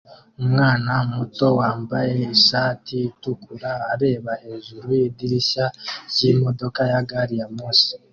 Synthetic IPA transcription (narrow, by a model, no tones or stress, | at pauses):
mwaːnamuto̞waːmbajeisaːtitukuɾaːɾe̞ːβaezuɾuediɾiʃacimo̞do̞kajaɡaɾijamuːsi̥